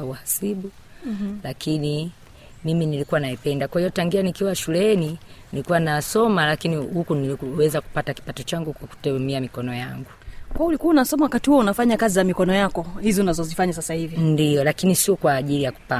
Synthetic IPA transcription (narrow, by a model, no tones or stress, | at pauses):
auhasiɓu | lakʰini | miminilikuwanaipɛndakwahijɔtaŋɡianikiwaʃulɛninilikuwanasɔmalakinihukuniiwɛzaku̥pataki̥patɔt͡ʃaŋɡukwaku̥tɛɛmiamikɔnɔjaŋɡukwaɔulikuaunasɔmawakatihuɔunafaɲakazizamikɔnɔjakɔhizɔunazɔzifaɲasasahivindiɔlakinisiɔkwaːʄilijaku̥pa